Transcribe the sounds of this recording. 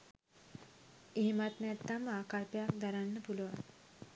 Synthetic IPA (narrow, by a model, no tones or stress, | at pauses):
eɦemat̪nɛt̪ːamaːkalpəjakd̪aɾanːəpuluʋan